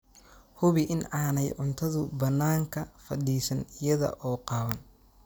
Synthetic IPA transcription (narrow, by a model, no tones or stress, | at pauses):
hʊβɪʔɪnaːnɛjʕʊnt̪ʰɐðʊbɐnːaːŋkʰɐfɐɗiːsɐnɪjɐðɐ̰ʔɔːqɑːwɐn